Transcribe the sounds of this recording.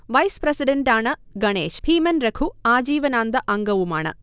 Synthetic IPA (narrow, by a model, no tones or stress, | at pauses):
ʋɐjspɾɐsiɖeɳʈaːɳɐɡɐɳeːʃpʰiːmɐnɾɐkʰuaːd͡ʒiːʋɐnaːnd̪ɐʔɐŋɡɐʋuma̰ːɳɐ̰